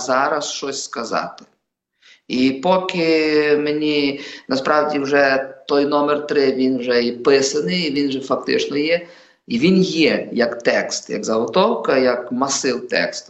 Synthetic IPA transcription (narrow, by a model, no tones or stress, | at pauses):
zaɾɐsʃt͡ʃɔsʲskɐza̰t̪ɪ̥ | ipɔkʲɪmenʲinɐspɾawdʲiwʒɛt̪ɔjnɔmɛrt̪ɾɪʋʲinwʒɛipɪsɐnɪːʋʲinʒɛfɐk̚t̪ɪ̰t͡ʃnɔjɛ | iʋʲinjɛjɐkt̪ɛkst̪jɐ̰ɡzɐɦɔt̪ɔwkɐjɐkmɐsɪwt̪ɛ̰kst̪